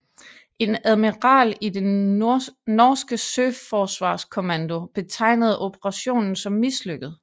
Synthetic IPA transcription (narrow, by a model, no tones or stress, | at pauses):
ʔe̝næðˠmiʁɑ̰̈ːlide | nɒːsɡ̥əsøfɒːsʋɑ̈ːskʰo̝mænd̥o̝b̥e̝t͡sʰɑ̈ɪ̰nəð̞̩ˠo̝b̥əʁɑ̈ɕo̝̰ːnn̩sɒ̽mːisløɡ̥əð̩ˠ